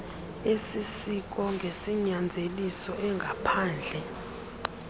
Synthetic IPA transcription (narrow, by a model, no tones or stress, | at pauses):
esisik̬ʼɔŋɡʱesiɲand͡zʱelisɔʔɛŋɡʱapʰaːnd͡ɮʱɛ